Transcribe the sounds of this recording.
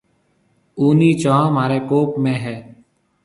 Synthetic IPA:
uːniːt͡ʃãːmaːɾeːkoːpmẽːɦɛː

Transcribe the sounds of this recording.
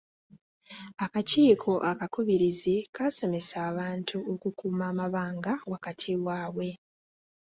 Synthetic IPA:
akaciːkʰo̞ʔakakuβiɾizikaso̞me̞saːβaːntʰuokukuːmaːmaβaːŋɡawakatʰiwaːwe̞

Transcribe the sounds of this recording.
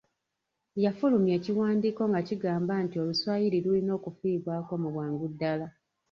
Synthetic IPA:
jafulumjeːciwaːndiko̞ŋɡaciɡaːmbantio̞luswaːjiliɾulino̞ːkufiːβwaːko̞muβwaːŋɡudːala

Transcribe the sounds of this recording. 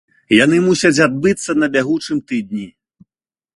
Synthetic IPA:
janɨmusʲɐt͡sʲad̪̚bɨt̪sːɐnɐbʲaɣut͡ʂɨmt̪ɨd̪̚nʲi

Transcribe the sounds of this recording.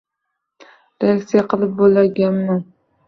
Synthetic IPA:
ɾeakt̪sijaqʰɨlˠɪp̚bolaɾɡʲanman

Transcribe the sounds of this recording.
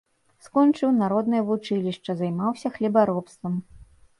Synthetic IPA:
skɔnt͡ʂɨwnaɾɔd̪nɨjɐvut͡ʂɨlʲiʂt͡ʂɐzajmawsʲɐxlʲibaɾɔpst̪vɐm

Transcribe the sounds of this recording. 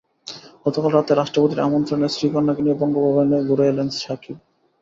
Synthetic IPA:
ɡɔt̪okalɾat̪eɾaʃʈɾopot̪iɾa̰mont̪ɾonesɾikɔnːakeniebɔŋɡobʱɔbʱaneɡuɾeelenʃakʰib

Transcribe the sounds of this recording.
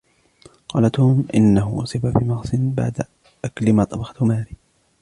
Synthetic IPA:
qɑːlat̪uːmʔɪnːaɦʊʔʊsˤɪbafimɑɣsˤɪnba̰ʕd̪a | ʔakalɪmaːt̪ˤɑbɑxɑ̥t̪hʊmaːɾiː

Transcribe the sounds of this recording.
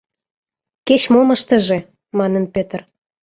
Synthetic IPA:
ket͡ɕmomə̆ʃt̪ə̆ʒe | mɑnənpøt̪ər

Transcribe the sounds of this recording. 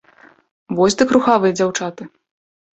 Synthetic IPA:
vɔsʲd̪ɨkɾuxavɨjɐd͡zʲawt͡ʂat̪ɨ

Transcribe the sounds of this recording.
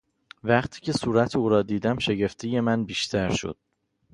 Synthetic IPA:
væqt̪ʰiːcʰe̞suːɾæt̪ʰeuːɾɒːd̪iːd̪æmʃe̞ɟe̞ft̪ʰije̞mænbiːʃt̪ʰæɾʃo̰d̪̥

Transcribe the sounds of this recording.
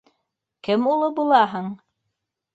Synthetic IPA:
kɘmulˠɤbulˠɑɦɤɴ

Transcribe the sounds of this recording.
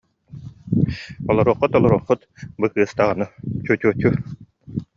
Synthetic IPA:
ɔlˠɔɾuːqːut̪ɔlˠɔɾuɔχːut̪bɯkɯːst̪aʁanɯt͡ɕut͡ɕut͡ɕu

